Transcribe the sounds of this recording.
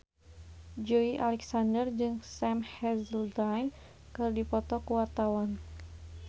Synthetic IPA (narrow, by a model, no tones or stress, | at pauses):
d͡ʒoiʔalɛksandərd͡ʒɨŋsɛmhɛzəldajn | kɨrdipɔt̪ɔkuwart̪awan